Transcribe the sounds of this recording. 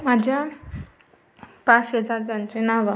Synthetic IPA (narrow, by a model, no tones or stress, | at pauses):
mad͡ʑʱja | pãt͡sɦəd͡zaɾd͡ʑãnt͡ɕenaʋa